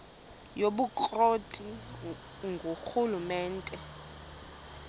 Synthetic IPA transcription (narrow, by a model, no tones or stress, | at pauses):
joɓukʼrotʼi | ŋɡʱoxulumɛːntʼɛ